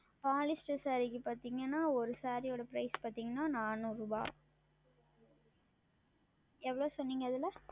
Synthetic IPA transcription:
paːlɪsʈɐsaːɾikːɯpaːɾt̪iːŋɡɐnːaːɔɾɯsaːɾijoːɽɐpɪɾɐɪspaːɾt̪iːŋɡɐnːaːnaːnɯ̃ɾuːba̰ː | ɛʋːɐɭoːsɔnːiːŋɡɐɐðɪlɐ

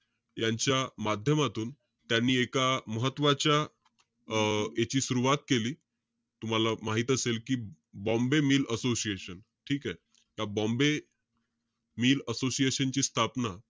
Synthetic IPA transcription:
jaɲt͡ɕjamad̪ʱjəmat̪uːn | t̪janːiːekaməɦət̪ːʋat͡ɕja | et͡ɕiːsuɾuʋat̪̚keliː | t̪um̤alamaɦit̪əselkiː | bɔ̃mbemiːləsosieɕən | ʈʰiːkae | jabɔ̃mbe | miːləsosijeɕənt͡ɕiːst̪ʰapna

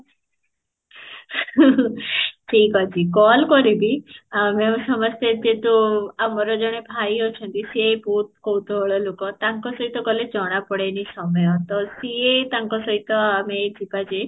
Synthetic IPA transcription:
ʈʰikɔd͡ʒikɔlkɔɾibimeũsɔməst̪jed͡ʒet̪uamɔɾɔd͡ʒɔɽ̃ebʱajot͡ʃʰənt̪isiebout̪̚kowt̪ɔɔɭɔlokɔt̪aŋkɔsɔɦit̪ɔkɔled͡ʒɔɽ̃apɔɽenisɔmɔjɔt̪ɔsiet̪aŋkɔsɔit̪ɔamed͡ʒipad͡ʒe

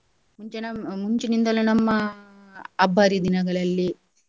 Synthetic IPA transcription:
muɲt͡ʃenɐmuɲt͡ʃinind̪ɐlɐnɐmːɐ | ɐbʱːaːɾid̪inɐɡɐɭɐlːi

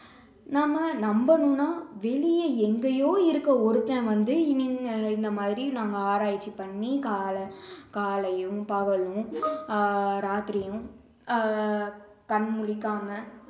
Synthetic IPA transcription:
naːmɐnɐmbɐnɯ̃naːʋɛɭɪjɐɛŋɡɐjoːɪɾɯkːɐɔɾɯt̪ːɐ̃ʋɐnd̪ɯɪnːɪŋɪnd̪ɐmaːðɾinaːŋɡɐaːɾaːjɪt͡ʃːipɐɳːikaːlɐkaːlɐjɯ̃pɐɣɐɭɯ̃ | ɾaːt̪ɪɾɪjɯ̃ | kɐɳmʊɭɪkːaːmɐ

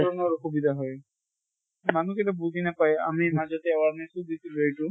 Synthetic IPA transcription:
ɔnɔɹxubid̪ʱaɦɔj | manuketabuzinapaja̰mimazɔtɛawaɹmisudisiluejtʊ

